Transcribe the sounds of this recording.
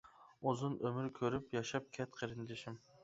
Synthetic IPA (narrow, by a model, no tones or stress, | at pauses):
ozunømyɾkʲʰøɾypjɑʃɑp̚kʲʰɛt̪qʰəɾɪnd̪ɪʃim